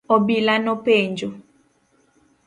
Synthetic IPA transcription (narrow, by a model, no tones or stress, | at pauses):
ɔbilanɔpeɲd͡ʒo